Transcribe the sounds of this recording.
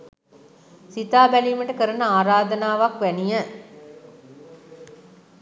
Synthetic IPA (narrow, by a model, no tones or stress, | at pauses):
sit̪aːbæliːməʈəkəɾənəaːɾaːd̪ənaːʋakʋænijə